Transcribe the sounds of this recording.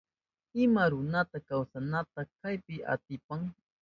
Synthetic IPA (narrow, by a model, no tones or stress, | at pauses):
ɪmaɾʊnat̪akawsanat̪akajpɪʔa̰t̪ɪpaŋ